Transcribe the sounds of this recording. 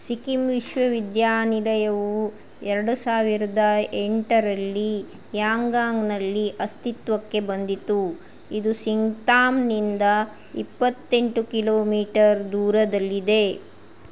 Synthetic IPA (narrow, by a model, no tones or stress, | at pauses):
sikimʋiʃʋɐʋid̪jaːnilɐjɐʋu | ɛɾɐɽusaːʋiɾɐd̪ɐeɳʈɐɾɐlːi | jaːŋɡaːŋɡnɐlːiʔɐst̪it̪ʋɐkːe̞bɐnd̪it̪u | id̪usiŋɡt̪aːmnind̪ɐ | ipːɐt̪ːe̞ɳʈukiloːmiːʈɐɾd̪uːɾɐd̪ɐlːid̪e̞